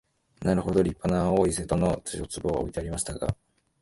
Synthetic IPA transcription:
naɾɯ̟ho̞d̪o̞ɾʲipːanaoːise̞t̪ono̞t͡sɨjot͡sɨbo̞ːa̰o̰it̪e̞aɾʲimaɕi̥t̪aɡa̰

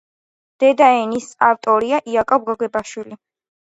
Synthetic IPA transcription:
d̪̥ɛd̪aɛnisaft̪ʼɔɾiaʔiakʼɔb̚ɡɔɡɛbaʃwili

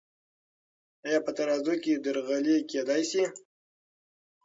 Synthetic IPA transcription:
ajɑpət̪aɾɑzoked̪əɾɣaleked̪ajsi

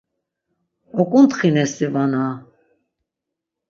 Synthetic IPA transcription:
ɔkʼunt̪χinɛsivana

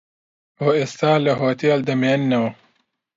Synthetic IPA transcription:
oest̪aːlɐɦoːt̪iɐld̪ɐmeːnːɐw

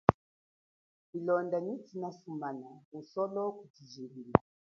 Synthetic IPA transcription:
ilɔndanitinasumanausɔlɔkutiziɾila

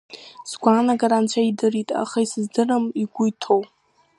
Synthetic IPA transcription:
zɡʷaːnaɡaɾant͡ɕʷʰaidɨritʼa̰χaisɨzdɨrɨmiɡʷujtʰow

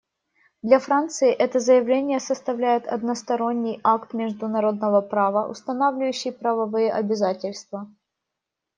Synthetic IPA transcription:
d̪lʲɐfɾant̪sɨɪʔɛt̪əzəjɪvlʲenʲɪjəsəst̪ɐvlʲæjɪt̪ʰɐ̰d̪nəst̪ɐɾo̞nʲːɪjakt̪mʲɪʐd̪ʊnɐɾo̞d̪nəvəpɾavəʔʊ̰st̪ɐnavlʲɪjʉɕːɪjpɾəvɐvɨjəʔɐbʲɪzatʲɪlʲst̪və

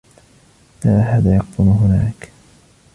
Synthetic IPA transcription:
laːɦaːðaːjɑq̚t̪ʊnʊɦʊnaːk

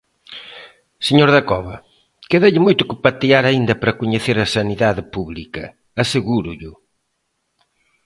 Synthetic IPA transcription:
seɲoɾðɐkɔβɐ | keðeʎɪmojt̪ʊkɪpat̪iaɾɐind̪ɐpɾɐkʊɲeθeɾɐsɐniðaðɪpuβlikɐ̰ː | seɣuɾʊʎʊ

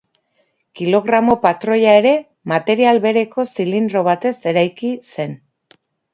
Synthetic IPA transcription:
kilo̞ɣɾamo̞pat̪ɾo̞ʎae̞ɾe̞ | mat̪e̞ɾialβe̞ɾe̞ko̞silind̪ɾo̞β̞at̪e̞se̞ɾajkise̞n

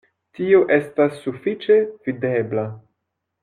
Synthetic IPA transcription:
tio̞ʔe̞stasːufit͡ʃevide̞bla

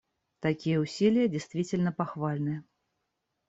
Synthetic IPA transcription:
t̪akʲijɛusʲilʲijɐd͡zʲajst̪vʲit͡sʲɪlʲnɐpaxvalʲnɨjɐ

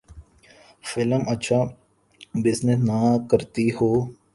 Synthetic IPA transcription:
fɪləmətːʃʰaː | bɪsnesnakəɾt̪ihoː

